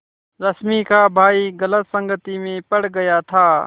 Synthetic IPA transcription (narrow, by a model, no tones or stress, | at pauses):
ɾəsmiːkʰaːbʱaːiːɡələt̪sə̃ŋɡət̪iːmẽːpəɽ̤ɡəjaːt̪ʰaː